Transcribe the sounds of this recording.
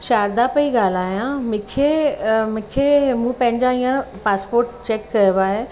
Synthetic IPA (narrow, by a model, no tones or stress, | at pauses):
ʃaːɾd̪apɐiɡaːl̤aːjãmɪ̃kʰemʊ̃kʰemũpɐ̃ɦɪ̃ɲd͡ʑaĩːãpaːspoːɾʈt͡ɕeːkːɐjoʋaːɦe